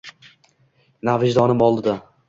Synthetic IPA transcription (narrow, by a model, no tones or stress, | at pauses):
navɪd͡ʒd̪ɒnɪmɒlˠd̪ɪd̪a